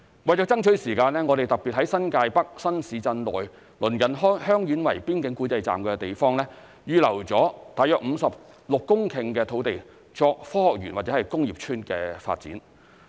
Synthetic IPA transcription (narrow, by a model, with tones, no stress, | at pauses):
wɐ˨jt͡ʃɔː˨˥t͡sɐ˥ŋt͡ʃʰɵ˨˥ɥsiː˨˩kaː˧nlɛː˥ŋɔː˨˧ɾe˨jt̪ɐ˨k̚pi˨t̚ɦɐ˨˥jsɐ˥nkaː˧jpɐ˥k̚sɐ˥nsiː˨˧t͡sɐ˧nlɔ̰ː˨j | lɵ˨˩nkɐ˨˩nɦɔ˥hœː˥ŋjyː˨˥nwɐ˨˩jpiː˥nkɪ˨˥ŋkuː˨˥t͡sɐ˧jt͡sa̰ː˨mkɛː˧t̪e˨jfɔː˥ŋlɛː˥ | jyː˨˧lɐ˨˩wt͡sɔː˨˥t̪aː˨jœː˧˥k̚m̩˨˧sɐ˨p̚ | lʊ˨kːʊ˥ŋkʰɪ˨˩ŋkɛː˧t̪ʰo˨˥wt̪e˨j | t͡ʃɔː˧k̚fɔː˥hɔː˨k̚jyː˨˩nwaː˨t̚t͡sɛː˨˧˥ɐ˨jkʊ˥ŋjiː˨˩p̚t͡ʃʰyː˥nkɛː˧fa̰ː˧t̚t͡sḭː˨˥n